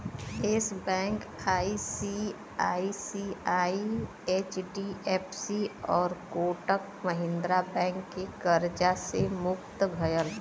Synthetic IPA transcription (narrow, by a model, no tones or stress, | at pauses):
ɪːsbɛ̃ːŋkaːisi | aːisiaːi | eːt͡ʃɖieːpʰsiɔːɾkoːʈək̚ | məɦɪ̃nd̪ɾabɛ̃ːŋkːekəɾd͡ʒasemʊk̚t̪ɡʱəjəl